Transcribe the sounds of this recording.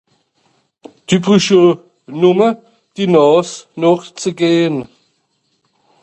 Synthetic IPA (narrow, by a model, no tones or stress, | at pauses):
d̥ibʁyʃo | nʊmə | d̥inɔːsnɔχt͡səɡeːən